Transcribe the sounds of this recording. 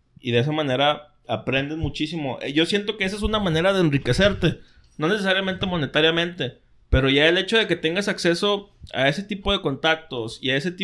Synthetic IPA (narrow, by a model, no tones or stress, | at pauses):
iðe̞es̬amãne̞ɾa | apɾe̞nd̪e̞zmut͡ʃisimo̞ʔeʝo̞sje̞nt̪̬o̞kees̬aes̬unamãne̞ɾaðeːnrike̞se̞ɾt̪e̞ | no̞ne̞sesaɾjamẽnt̪e̞mo̞ne̞t̪aɾjamẽ̞nt̪e̞ | pe̞ɾo̞ʝae̞le̞t͡ʃo̞ð̞e̞ke̞t̪e̞ŋɡasakse̞so̞a̰e̞se̞t̪ipo̞ðe̞ko̞nt̪ak̚t̪o̞siaeset̪i